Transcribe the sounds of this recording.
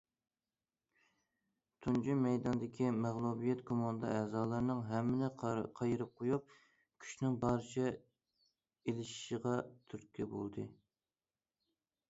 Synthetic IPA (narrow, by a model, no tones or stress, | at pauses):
t̪ʰund͡ʒimɛjd̪ɑnd̪ɪkʲʰimæʁlˠubijɛt̪kʰomɑnd̪ɑ̰ɛːzɑːlˠɨɾnɨŋɦɛmːɪnɪqʰɑjiɾɨp̚qʰojup̚ | kʲʰy̥ʃnɪŋbɑɾɨt͡ʃʰɛ | elɪʃi̥ʃəʁɑt̪ʰyɾkʲʰibo̰lˠd̪ɨ̰